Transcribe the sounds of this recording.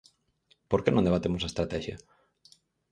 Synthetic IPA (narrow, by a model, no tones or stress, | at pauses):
poɾkeɪnõnd̪eβat̪emʊsaest̪ɾat̪ɛʃjɐ̰